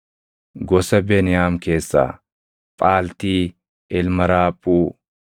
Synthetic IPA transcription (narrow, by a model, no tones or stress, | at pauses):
ɡɔsɐbeːnɪjaːmke̞ːsːa̰ː | pʼaːlt̪iː | ɪlmɐɾaːpʼːuː